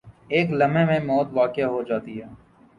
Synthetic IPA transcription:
eːklɐmẽmẽmɔːt̪ʋaːkɪjaɦod͡ʒaːt̪iɦɛː

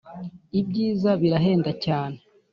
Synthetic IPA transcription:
ibɟiːzaβiɾaɦe̞ːndacaːne

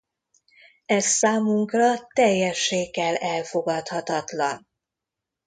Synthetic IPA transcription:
ɛssaːmuŋkrɒt̪ɛjːɛʃːeːkɛlɛlfo̞ɡɒt̪hɒt̪ɒt̪lɒn

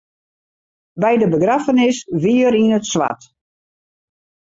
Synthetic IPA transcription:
bɛjdəbəɡrafənɪsʋiəɾinətsʋa̰t

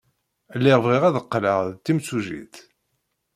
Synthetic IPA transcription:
lːiʁvʁiʁæðəqːlə̰ʁðt̪ːimsuʒḭθ

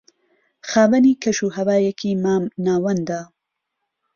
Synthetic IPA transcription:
xaːvɐniːkʰɐʃuːɦɐvaːjɛkʰimanaːwɐnd̪a

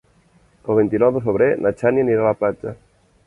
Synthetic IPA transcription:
əlˠβint̪inɔwðəfəβɾenʔat͡ʃanianiɾalaplad͡ʒa

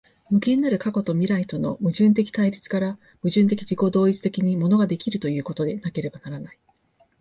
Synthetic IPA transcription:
mɯ̟ke̞nːaɾɯ̟kako̞t̪o̞mʲiɾait̪o̞no̞̰mɯ̟ʑɨ̃nt̪̬e̞kʲi̥t̪aiɾʲit͡sɨ̥kaɾa | mɯ̟ʑɨ̃nt̪̬e̞kʲiʑiko̞d̪o̞ːit͡sɨ̥t̪e̞kʲiɲ̟imo̞no̞ɡad̪e̞kʲiɾɯ̟t̪o̞jɯ̟ːko̞t̪o̞d̪e̞nake̞ɾe̞banaɾanai

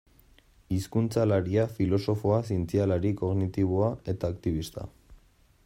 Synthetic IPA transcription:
iskunt͡salaɾiafilo̞so̞fo̞as̬int͡sialaɾiko̞ɣnit̪iβ̞oae̞t̪aːkt̪iβ̞ist̪a̰

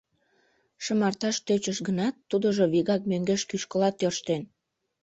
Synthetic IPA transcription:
ʃəmɑrt̪ɑʃt̪øt͡ɕəʃɡənɑt̪ːud̪oʒoβiɣɑk̚møŋɡeʃkyʃkəlɑt̪ːørʃt̪en

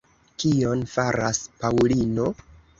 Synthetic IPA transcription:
kio̞nfaɾaspawlino̞

